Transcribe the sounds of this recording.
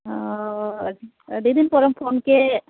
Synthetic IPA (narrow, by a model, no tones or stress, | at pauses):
did̪inpoːɾɐmpʰoːnke